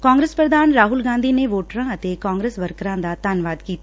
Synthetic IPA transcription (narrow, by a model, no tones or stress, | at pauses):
kãːŋɡɾeːspɾəd̪aːnɾaːɦʊlɡãːnd̪ʱineʋoːʈɾãɐt̪ekãːŋɡɾeːsʋəɾkɾãd̪at̪aːnʋaːd̪kiːt̪ː